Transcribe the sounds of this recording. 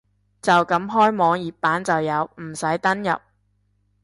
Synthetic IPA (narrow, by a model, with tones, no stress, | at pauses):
t͡sɐ˨wkɐ˨˥mɦɔː˥jmɔː˨˧ŋjiː˨p̚pːaː˨˥nt͡sɐ˨wjɐ˨˧wm̩˨˩sɐ˨˥jt̪ɐ˥njɐ̰˨p̚